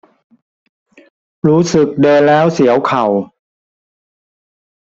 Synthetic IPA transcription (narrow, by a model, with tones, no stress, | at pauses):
ɾuː˦˥sɯ˨˩k̚dɤː˧nlɛː˦˥wsi˩˦əwkʰa˨˩w